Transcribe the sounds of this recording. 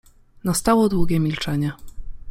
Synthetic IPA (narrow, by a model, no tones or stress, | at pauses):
nast̪awɔd̪wuɡʲɛmʲilt͡ʂɛɲɛ